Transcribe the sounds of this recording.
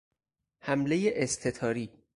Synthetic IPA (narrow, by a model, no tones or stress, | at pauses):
hæmlejeʔest̪ʰe̞t̪ʰɒːɾiː